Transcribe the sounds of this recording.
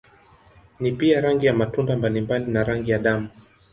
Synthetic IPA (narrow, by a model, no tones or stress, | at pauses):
nipiaɾaŋɡijamatundambalimbalinaɾaŋɡijaɗamu